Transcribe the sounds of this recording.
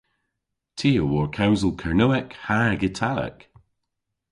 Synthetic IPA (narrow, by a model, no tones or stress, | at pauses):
tʰiːəwɔɹkʰawzəlˠkʰaɹnowɛkhaɹɡɪtʰalə̰k